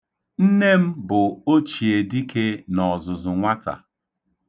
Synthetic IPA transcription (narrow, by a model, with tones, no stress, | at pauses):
n̩˦ne˦m̩˦bʊ˨o˦t͡ʃi˨e˨di˦ke˦nɔ˨zʊ˨zʊ˨ŋʷa˦ta̰˨